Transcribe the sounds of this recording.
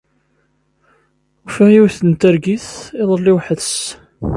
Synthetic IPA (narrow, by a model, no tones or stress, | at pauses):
ufijiwθənt̪æɾɡiθiðˤəlːiwħəðs